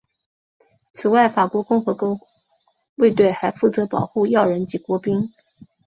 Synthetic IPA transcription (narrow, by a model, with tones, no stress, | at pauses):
t͡sʰɹ̩˨˩wa˥˩ɪfa˨˩kwɔ˧˥kʊ˥˩ŋxɤ˧˥ko˥ʊ | we˥˧ɪt̪we˥˩ɪxa˧˥ɪfu˥˩t͡sɤ˧˥pɑ˨˩ʊxu˥˧jɑ˥˩ʊɻə˧˥nt͡ɕi˧˥kwɔ˧˥pi˥ŋ